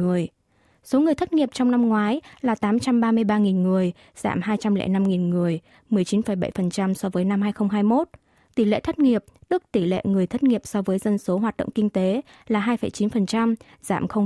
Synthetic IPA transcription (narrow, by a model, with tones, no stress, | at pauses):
ɨ˨˩əj | so˨˦ŋɨ˨˩əjt̪ʰə˦˥t̚ŋi˨˩əp̚t͡ɕɔ˧wŋ͡mna˧mŋwaː˨˦jlaː˨˩t̪aː˨˦mt͡ɕa˧mɓaː˧mɨ˧əjɓaː˧ŋi˨˩nŋɨ˨˩əj | z̥a̰ː˧˩mɦaː˧jt͡ɕa˧mlɛ̰˧˥˨na˧mŋi˨˩nŋɨ˨˩əj | mɨ˨˩əjt͡ɕi˨˦nfə˧˩jɓə̰˧˩jfə˨˩nt͡ɕa˧msɔ˧vəː˨˦jna˧mhɦaː˧jxə˧wŋ͡mɦaː˧jmo˦˥t̚ | t̪i˧˩lḛ˧˨t̪ʰə˦˥t̚ŋi˨˩əp̚ɗɨ˦˥k̚t̪i˧˩lḛ˧˨ŋɨ˨˩əjt̪ʰə˦˥t̚ŋi˨˩əp̚sɔ˧vəː˨˦jzə˧nso˨˦ɦwaː˨˩t̚ɗə̰˧˨ŋ͡mkï˧ŋ̟t̪e˨˦ | laː˨˩ɦaː˧jfə˨˩jt͡ɕi˨˦nfə˨˩nt͡ɕa˧m | z̥a̰ː˧˩mxə˧wŋ͡m